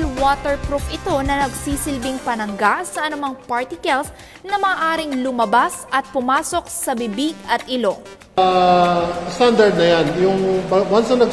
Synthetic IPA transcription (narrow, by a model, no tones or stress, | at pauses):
lwoːt̪ɛɹkɾup̚ʔɪt̪o̞nɐnɐɡsiːsɪlbɪŋpɐnɐŋɡasɐʔɐnʊmɐŋpaɹt̪ɪkɐls | nɐmɐːʔaːɾɪŋlʊmɐbasʔɐt̪̚pʊmaːso̞k̚sɐbibiɡɐt̪̚ʔɪlo̞ | st̪and̪ɐɾd̪̚nɐjanjʊŋbɐwansɐnɐ